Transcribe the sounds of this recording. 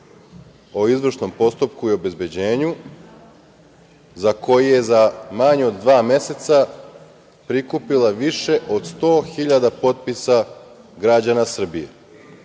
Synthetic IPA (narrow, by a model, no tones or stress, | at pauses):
o̞izʋr̩ʃno̞mpo̞st̪upkuiobe̞zbe̞d͡ʑe̞ːɲu | zako̞jije̞zamaɲeod̪ːʋaːmje̞se̞t̪sa | pɾikupilaʋiʃe̞ʔo̞d̪st̪o̞ːxiʎad̪apo̞t̪̚pisa | ɡɾad͡ʑanasr̩bije